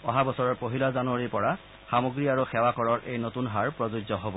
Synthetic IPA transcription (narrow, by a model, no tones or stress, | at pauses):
ɔɦabɔsɔɹɔɹpoɦilɔzanuaɹipɔɹa | xamoɡɹiaɹuxɛwakɔɹɔɹʔejnotunɦaɹpɹɔzuɡzɔɦobɔ